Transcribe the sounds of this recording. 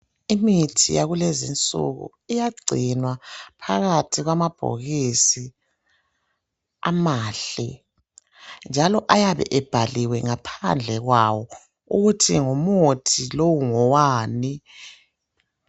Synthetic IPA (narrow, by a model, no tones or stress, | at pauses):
imitʰijaɣulezḭnt͡sʼṵɣṵ | ijaɡ͡ǀʱinwapʰaɣatʰiɣwamab̥ʱo̰ɣisi | a̰maːɬɛ̰ | nd͡ʒʱalɔʔajaβɛ̰ʔɛb̥ʱaliwɛŋapʰa̰nd͡ɮʱɛɣwawɔ | uɣutʰiŋomotʰilowuŋɔwaːni